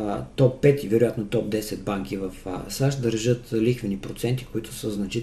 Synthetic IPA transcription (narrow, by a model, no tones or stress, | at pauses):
t̪ɔpːɛt̪ivɛɾʊjat̪not̪ɔp̚d̪ɛsɛd̪̚baŋkivɐfsaʃd̪əɾʒɤt̪lixvɛnipɾot̪sɛnt̪i̥koit̪ʊ̥səznɐt͡ʃi